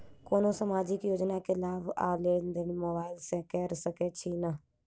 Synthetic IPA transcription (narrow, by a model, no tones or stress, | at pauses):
koːnõːsəmaːd͡ʒiːkjoːd͡ʒnaːkʰɪlaːba̰ːleːnd̪enmoːbaːɪlsɛːkɛːɾsəkeːt͡ʃʰiːnaː